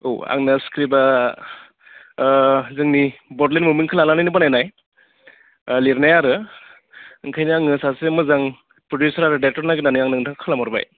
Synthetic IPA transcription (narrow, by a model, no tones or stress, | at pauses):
oa̰ŋnaskʰɾiba | zɯŋnibɔdlenmumɯŋkʰɯlalanɯjnɯbanajnaj | liɾnajaɾɯ | ɯŋkʰajnaŋɯsasemɯzaŋ | pɾodjusɐɾaɾɯdatɔɾnaɡɯnanɯjaŋnɯŋtʰaŋkʰɯlamɔɾba̰j